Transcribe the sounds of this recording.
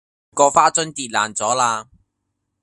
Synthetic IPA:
kɔː˧faː˥t͡sɵ˥nt̪iː˨˧t̚laː˨˩nt͡sɔː˨˥laː˧

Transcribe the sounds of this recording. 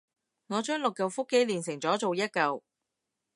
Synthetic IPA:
ŋɔː˨˧t͡ʃœː˥ŋlʊ˨kːɐ˨˧wfʊ˥kːe˥jliː˨˩nsɪ˨˩ŋt͡sɔː˨˥t͡so˨wjɐ˥t̚kɐ˨w

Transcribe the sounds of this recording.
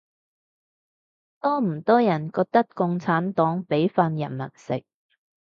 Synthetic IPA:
t̪ɔː˥m̩˨˩t̪ɔː˥jɐ˨˩nkɔː˧k̚t̪ɐ˥kkʊ˧ŋt͡sʰaː˨˥nt̪ɔː˨˥ŋpe˨˥jfaː˧njɐ˨˩nmɐ˨˩n̚sɪ̰˨k̚

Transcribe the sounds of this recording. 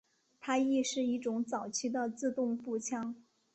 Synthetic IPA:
t̪ʰa˥i˥˧ʂɻ̩˥˧i˥˩ʈ͡ʂʊ˧˥ŋt͡sɑ˨˩ʊt͡ɕʰi˥d̪ə˨t͡sɹ̩˥˧t̪ʊ˥˧ŋpu˥˩t͡ɕʰjɑ˥ŋ

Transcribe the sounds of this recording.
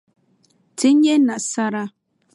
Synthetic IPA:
tʰɪ˦ɲ˦je˦nã˨sa˦ɾa˦

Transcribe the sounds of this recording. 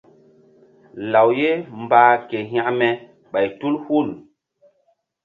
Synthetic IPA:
la˨wje˦m̩˨baː˦ke˨ɦa˦ʔmɛ˨ | ɓa˨jtu˦lhu˦˨n

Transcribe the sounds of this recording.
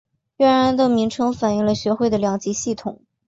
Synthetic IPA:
ɥɛ˧˥ɻa˧˥nd̪ə˥˧mi˧˥ŋʈ͡ʂʰɤ˧˥ŋfa˨˩ny˧˥˩lə˧ɕɥɛ˧˥xwe˥˩ɪd̪ə˩ljɑ˨˩ŋt͡ɕi˧˥ɕi˥˩t̪ʰʊ˨˩˦

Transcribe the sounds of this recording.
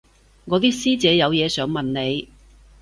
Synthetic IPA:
ŋɔː˨˧˥t̪iː˥siː˥t͡sɛː˨˥jɐ˨˧wjɛː˨˧sœː˨˥ŋmɐ˨nne˨˧j

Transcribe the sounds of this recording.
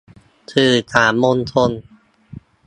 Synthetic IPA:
t̪ʰɯː˨˩t̪ʰaː˩˦nmo˧nt̪ʰo˧n

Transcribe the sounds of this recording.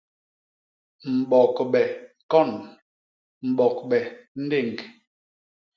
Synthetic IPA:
m̩˨bɔ˨kɓɛ˨ | kɔ˦˨n | m̩˨ɓɔ˨k̚ɓɛ˨n̩˦de˦˨ŋ˨k

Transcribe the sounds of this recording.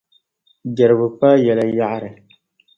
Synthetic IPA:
dɛ˨ɾɨ˨bɨ˨pa˦jɛ˨la˦ja˦ʔa˦ɾɨ˨

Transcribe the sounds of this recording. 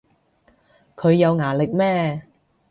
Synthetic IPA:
kʰɵ˨˧ɥjɐ˨˧wŋaː˨˩lɪ˨k̚mɛː˥

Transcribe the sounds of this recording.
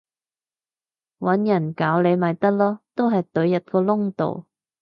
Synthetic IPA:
wɐ˨˥njɐ˨˩nkaː˨˥wle˨˧jmɐ˨jt̪ɐ˥k̚lɔː˥t̪o˥wɦɐ˨jt̪ɵ˨˥ɥjɐ˨t̚kɔː˧lʊ˥ŋt̪o̰˨w

